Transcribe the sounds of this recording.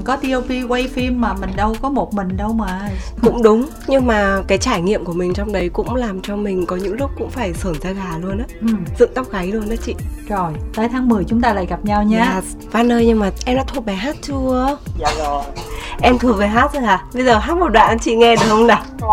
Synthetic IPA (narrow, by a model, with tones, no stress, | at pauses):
kɔ˨˦t̪i˧ə˧wvi˧ke˧jfi˧mːaː˨˩mï˨˩ŋ̟ɗə˧wkɔ˨˦mo˨˩t̚mï˨˩ŋ̟ɗə˧wməː˨˩ | kʊ̰˧˥ŋ͡mɗʊ˨˦ŋ͡m | ɲɨ˧ŋmaː˨˩kaː˨˦jt͡ɕaː˧˩jŋḭ˧˨əmku˧˩əmï˨˩ŋ̟t͡ɕɔ˧wŋ͡mɗə˨˦jkʊ̰˧˥ŋ͡mlaː˨˩mt͡ɕɔ˧mï˨˩ŋ̟kɔ˨˦ɲɨ̰˧˥ŋlʊ˦˥k͡p̚kʊ̰˧˥ŋ͡mfaː˧˩jsəː˧˩nzaː˧ɣaː˨˩lu˧ənʔaː˨˦ʔɨ˨˩mzɨ̰˧˨ŋt̪a˦˥wk͡p̚ɣa˨˦jlu˧ənʔaː˨˦t͡ɕḭ˧˨zo˨˩jt̪əː˨˦jt̪ʰaː˨˦ŋmɨ˨˩əjt͡ɕʊ˨˦ŋ͡mt̪aː˧la̰ː˧˨jɣa˨˩p̚ɲa˧wɲaː˧˨˩ | vaː˧˩nːəː˧jɲɨ˧ŋmaː˨˩ʔɛ˧mnɔ̰˧˥t̪ʰu˧˥t̚ɓa˨˩ɦaː˦˥t̚t͡ɕu˧əə˧ | ʔɛ˧mt̪ʰɨ˧˨˩əŋ̚vəː˨˩ɦaː˦˥t̚zə˨˧˩jaː˨˩ɓə˧jzəː˨˩ɦaː˦˥t̚mo˨˩t̚ɗwa̰ː˧˨ʔə˨˦t͡ɕḭ˧˨ŋɛ˧ɗɨ˨˩ək̚ə˧wŋ͡mɗa˨˩